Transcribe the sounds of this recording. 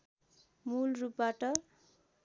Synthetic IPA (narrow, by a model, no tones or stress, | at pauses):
mulrupbaʈʌ